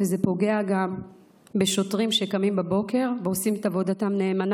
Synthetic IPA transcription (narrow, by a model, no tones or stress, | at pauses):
veze̞po̞ɡe̞aɡam | beʃo̞tʁimʃekamimbabo̞ke̞ʁveosimet̪avo̞datamne̞ːman